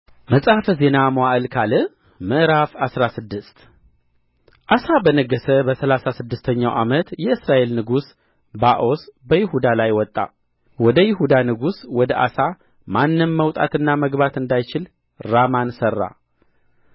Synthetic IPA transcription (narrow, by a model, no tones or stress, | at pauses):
məsʼafəze̞namoaʔɨlkʰalɨ | mɨʔɾafasɾasɨd̪ːɨst̪ | ʔasabənəɡːəsəbəsəlasasɨd̪ːɨst̪ʰəɲːawʔamət̪jɛɨsɾaʔe̞lnɨɡus | baʔo̞sbəjɪɦud̪alajwɔt̪ʼːa̰ | wɔd̪əjɪɦud̪anɨɡuswɔd̪əʔa̰sa | manːɨnməwt̪ʼa̰t̪ɨnːaməɡbat̪ɨnd̪ajt͡ʃɪl | ɾamansərːa̰